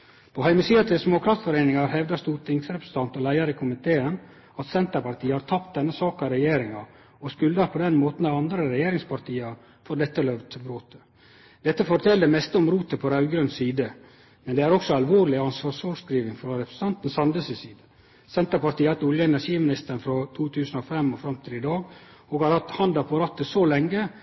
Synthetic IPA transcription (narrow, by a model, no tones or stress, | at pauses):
pʰɔhæɪməsiːɑt̪ʰɪlsmoːkʰɾɑft̪sfɔɾeːnɪŋɑɾhɛʋd̪ɑst̪uːɾt̪ʰɪŋsɾɛpɾəs̩t̪ɑnt̪ɔlæɪɑɾɪkʰʊmɪt̪ʰeːən | ɑt̪sɛnt̪əpɑɾʈ̪iːəhɑɾt̪ʰɑpt̪̚d̪ɛnːəsɑːkɑɾɛjeːɾɪŋɑ | ɔskʉlɑɾpʰɔd̪ɛnmoːt̪n̩ɑɑnd̪ɾəɾɛjeːɾɪŋspʰɑɾt̪ʰiːɑɾ | fɔɾd̪ɛt̪ːəlœʋt̪ʰɪbɾoːt̪ʰə̥ | d̪̥ɛt̪ːəfɔɾt̪ʰɛld̪ɛmɛst̪əɔmɾuːt̪əpʰɔɾɑʉɡɾœnsiːd̪ə | mɛnd̪ɛæɾɔksɔɑlʋoːɾlɪɑnsʋɑːʂʋɑːʂkɾiːʋɪŋfɾɔɾɛpɾəst̪ɑnt̪n̩sɑnd̪əsəsiːd̪ə | sɛnt̪əɾpɑɾʈ̪iːəhɑt̪ːʊljəɛnæʂiːmɪnɪst̪əɳ̩fɾɔt̪ʰuːt̪ʰʉːsn̩ɔfɛmɔfɾɑmt̪ʰiːd̪əɪd̪ɑːɡɔɡhɑɾhɑt̪hɑnd̪ɑpʰɔɾɑt̪ːəsolɛŋːə